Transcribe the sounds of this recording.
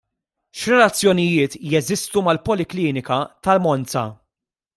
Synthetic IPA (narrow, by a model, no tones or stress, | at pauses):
ʃɾɛlɐt͡sːjɔnɪjɪːt̪jɛzɪst̪umɐlpɔlɪkliːnɪkɐt̪ɐlmɔnt͡sɐ̰